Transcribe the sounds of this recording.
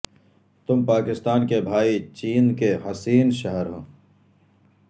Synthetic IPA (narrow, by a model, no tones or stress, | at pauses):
t̪ʊmpaːkɪst̪aːnkebʱaːit͡ʃiːnkeɦɐsiːnʃɐɦəɾɦõː